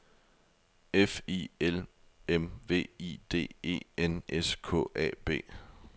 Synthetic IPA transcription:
efielemʋe̝̰ːid̥e̝̰ːe̝̰ːenʔeskʰɔ̰̽ːɛ̰ːb̥e̝̰ː

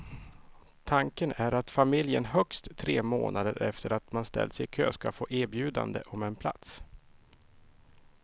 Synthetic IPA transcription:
t̪ʰaŋkənæɾat̪famɪljənɦœkst̪ʰːɾeːmoːnad̪əɾɛft̪ʰəɾat̪manst̪ɛ̰lːsɛjkʰøːskafoːʔæːɾbjʉ̟ːd̪a̰nd̪ə̰ʔɔmɛnpʰla̰t̪s

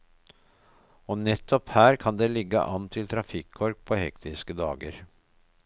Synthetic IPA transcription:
ɔːnɛt̪ʰːɔphæːɾkʰɑnd̪eːlɪɡːə̰ʔɑnt̪ʰɪlt̪ʰɾɑfɪkʰːɔɾk̚pʰoːhɛ̰kt̪ʰɪskəd̪ɑ̰ːɡəɾ

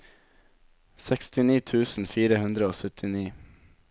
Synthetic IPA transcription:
sɛkst̪ɪniːt̪ʰʉːsn̩fiːɾəhʉnd̪ɾəoːsœt̪ʰɪniː

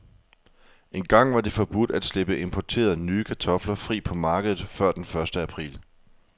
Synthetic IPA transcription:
e̝nɡ̥ɑ̈ŋ̰ʋɑ̈d̥efɒ̽b̥ud̥æd̥sleb̥əʔe̝mpʰɒt͡sʰe̝̰ːɐðˠnyːkʰæt͡sʰɒ̽flɐfʁḭːpʰɒ̽mɑ̈ːɡ̥əð̞ˠð̩ˠfɶɐd̥enfɶɐsd̥əæpʰʁḭːl

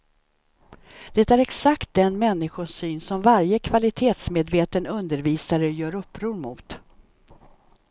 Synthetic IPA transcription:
d̪̥ɛt̪æɾɛksakt̪̚d̪ɛnmɛnːɪɧʊʂyːnsɔmvaɾjəkʰvalɪt̪ʰeːt̪smeːd̪veːt̪ənɵnd̪əɾviːsaɾəjœːɾɵpːɾuːɾmʊt̪

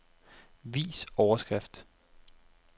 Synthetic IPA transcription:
ʋḭːsɒʊɐsɡ̥ʁɛfd̥

